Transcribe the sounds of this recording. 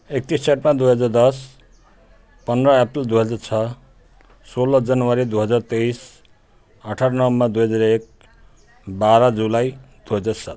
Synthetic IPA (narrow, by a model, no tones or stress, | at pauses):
ek̚t̪ist͡ʃaʈmad̪ujɦʌd͡zard̪ʌs | pʌnɾʌepɾild̪ujɦʌd͡zaɾt͡sʰʌ | solʌd͡zʌnwaɾid̪uɦʌd͡zaɾt̪eis | ʌʈʰaɾnʌwmad̪ujɦʌd͡zaɾek̚ | baɾʌd͡zulajd̪̥uɦʌd͡zaɾsat̪̚